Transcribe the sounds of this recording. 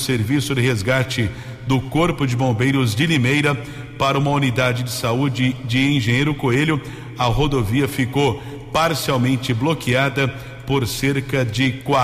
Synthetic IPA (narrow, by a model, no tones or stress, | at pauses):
seɾvisʊd̪ɪɦezɡat͡ʃɪ | d̪ʊkoɾpʊd͡ʒɪbõbejɾʊzd͡ʒɪlimejɾɐ | paɾɐũmɐunid̪ad͡ʒɪd͡ʒɪsaud͡ʒɪd͡ʒɪẽʒẽj̃ejɾʊkoeljʊ | ɐɦod̪oviɐfikow | paɾsiawmẽnt͡ʃɪblokiad̪ɐ | poɾseɾkɐd͡ʒɪkwa